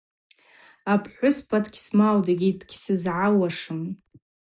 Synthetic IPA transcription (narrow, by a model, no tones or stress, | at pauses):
apʰħʷʊspʰadɡʲsmawdaɡʲidʼɡ̥ʲsɨzʕawaʂɨm